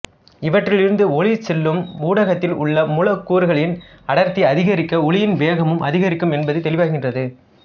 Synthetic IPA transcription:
ɪʋɐʈrɪɭɪɾɯnd̪ɯɔɭɪsɛlːɯmuːɽɐɣɐt̪ːɪlʊ̰ɭːɐmʊlɐkːuːɾɯɣɐɭɪn | ɐɽɐɾt̪ːiɐðɪɣɐɾɪkːɐɔɭɪjɪnʋeːɣɐmɯmʔɐðɪɣɐɾɪkːɯmɛnbɐðɯɪt̪ːɛlɪʋaːɣɪndrɐðɯ

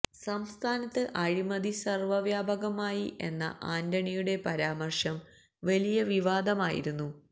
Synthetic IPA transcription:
sɐmst̪ʰaːnɐt̪ːɨʔɐɻimɐd̪isɐrʋɐʋjaːbɐɣɐmaːjiʔe̞̰nːɐ̰ʔaːnd̪ɐɳijuɽe̞pɐɾaːmɐrʂɐm | ʋɐlijɐʋiʋaːd̪ɐmaːjḭɾunːu

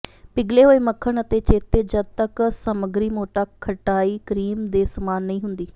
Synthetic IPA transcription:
pɪɡleɦoːeməkʰəɽ̃ət̪et͡ʃeːt̪ed͡ʒɐd̚t̪əksəməɡɾimoːʈaːkʰɐʈaːiːkɾiːmd̪eːsɐmaːnːɐĩːɦʊ̃nd̪iː

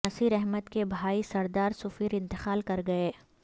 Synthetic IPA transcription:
ɐsiːɾɛɦmət̪kebʱaːisɐɾd̪aːɾsʊfiːɾɪ̃nt̪ɪxaːlkɐɾɡɐeː

